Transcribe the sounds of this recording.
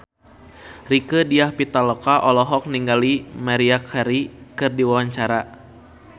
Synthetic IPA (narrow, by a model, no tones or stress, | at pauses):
rikədiahpit̪alɔkaʔɔlɔɦɔk̚niŋɡalimaɾiakʰaɾikɨrdiwawaɲt͡ʃaɾa